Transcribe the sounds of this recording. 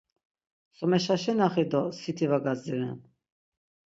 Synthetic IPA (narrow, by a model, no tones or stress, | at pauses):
sɔmɛʃaʃɛnaχid̪ɔsit̪ʰivaɡazd̪iɾɛn